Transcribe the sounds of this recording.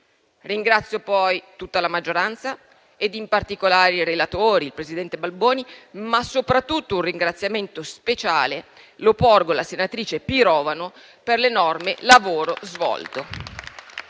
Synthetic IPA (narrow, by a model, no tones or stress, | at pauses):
riŋɡɾat̪sːjopɔjt̪ut̪ːalamad͡ʒːoɾant̪sa | ed̪impart̪ikolaːɾiɾelat̪oːɾiːlpɾezid̪ɛnt̪ebalboːnimasopɾat̪ːut̪ːounriŋɡɾat̪sːjament̪ospet͡ʃaːle | loporɡolasenat̪ɾiːt͡ʃepiɾɔːvano | perlenɔrmelavoːɾozvɔ̰lt̪o